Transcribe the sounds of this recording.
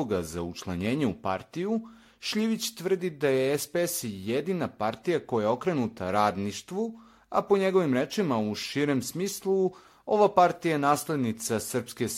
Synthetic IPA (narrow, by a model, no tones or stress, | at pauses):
oɡazaut͡ʃlˠaɲe̞ːɲeupaɾt̪iju | ʃʎiʋit͡ɕt̪ʋər̩d̪id̪ajeespesjed̪inapaɾt̪ijako̞jajeo̞kɾe̞nut̪ʰaɾaːd̪niʃt̪ʋu | a̰po̞ɲe̞ɡo̞ʋimɾet͡ʃimauʃiɾemsmiːslˠu | o̞ʋapaɾt̪ijaenaːsle̞d̪nit̪sasr̩pske̞